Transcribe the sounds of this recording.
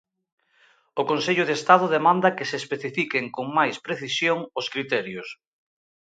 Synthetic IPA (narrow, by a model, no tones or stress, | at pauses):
ʊkonseʎʊðest̪að̞ʊðemãnd̪ɐkesespeθifikeŋkoŋmajspɾeθisjoŋoskɾit̪ɛɾjʊs